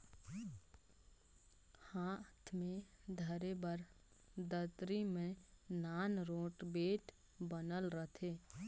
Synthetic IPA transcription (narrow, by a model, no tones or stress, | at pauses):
haːt̪ʰmẽd̪ʱəɾebəɾ | d̪ət̪ɾimẽnaːnɾoːʈbeːʈ | bənəlɾət̪ʰeː